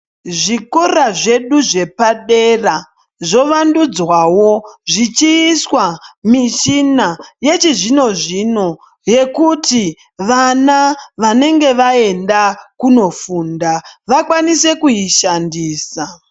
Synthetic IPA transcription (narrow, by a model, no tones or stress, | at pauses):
ʐikoraʐe̞ɗuʐe̞paɗe̞ra | ʐo̞ʋandud͡zwawo̞ʐit͡ʃiːswamiʃinaje̞t͡ʃiʐino̞ʐino̞ | je̞kuti | ʋanaʋane̞ŋɡe̞ʋae̞ndakuno̞fuːndaʋakwanise̞kujiʃandiːsa